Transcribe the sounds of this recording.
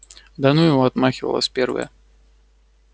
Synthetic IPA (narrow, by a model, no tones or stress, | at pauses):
d̪anujuad̪maxʲivɐ̰lˠɐ̰sʲpʲɛrvɐ̰jɐ̰